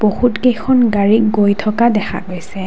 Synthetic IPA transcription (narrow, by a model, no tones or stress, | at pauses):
b̥ohutkejxʰɔnɡaɹikɡojtʰɔkadɛxʰa̰ɡojsɛ